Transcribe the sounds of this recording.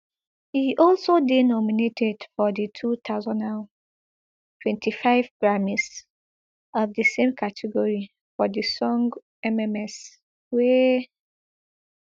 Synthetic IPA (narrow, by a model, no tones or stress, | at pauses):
hiʔɔlsodenɔminetʰɛdfɔditʰut̪ʰaʊzɔ̃naʊ | tʰwɛ̃ntʰifaɪvɡɹamis | ɔvdəsẽmkʰatʰɛɡɔɹi | fɔdisɔ̃ŋɡ | ɛmɛmɛs | wɛ